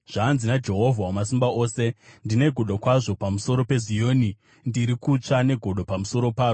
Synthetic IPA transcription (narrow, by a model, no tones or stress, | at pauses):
ʐ̥aːnzinad͡ʒe̞ɦo̞vʱawomasimbao̞ːse̞ndine̞ɡʱo̞ɗokwaʐo̞pamuso̞ɾo̞pe̞zijo̞ːni | ndiɾikut͡ʂane̞ɡʱo̞ɗo̞pamuso̞ɾo̞paːro